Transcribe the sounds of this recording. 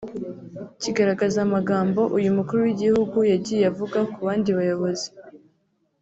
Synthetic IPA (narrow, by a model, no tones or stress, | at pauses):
ciɡaɾaɡazaːmaɡaːmbo̞ʔujumukuɾuwiɟihuɡujaɟiːjejavuɡakuβaːndiβajo̞βo̞zi